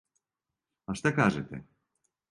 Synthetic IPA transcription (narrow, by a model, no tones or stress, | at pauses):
aʂt̪akaʐɛ̰t̪ɛ̰